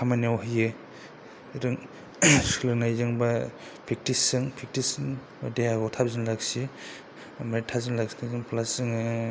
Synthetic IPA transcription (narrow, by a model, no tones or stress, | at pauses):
kʰamanawɦɯjɯ | ɾɯŋ | sʰɯlɯnajzɯŋba | pʰik̚tisɯŋpʰik̚tisŋ̰ | deaɡɔtʰabzɯnlaksi | maɾitʰazɯnlaksi̥najzɯŋplasɯŋ